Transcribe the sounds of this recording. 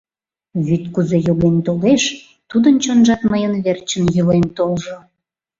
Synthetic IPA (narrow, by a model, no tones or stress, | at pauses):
βyt̪kuzejoɣent̪oleʃ | t̪ud̪ənt͡ɕonʒɑt̪məjənβert͡ɕənjylent̪olʒo